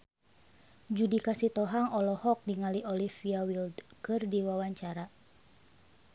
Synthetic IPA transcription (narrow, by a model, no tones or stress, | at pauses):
d͡ʒudikasit̪ɔɦaŋɔlɔhɔk̚diŋaliʔɔlifiawildkɨrdiwawaɲt͡ʃaɾa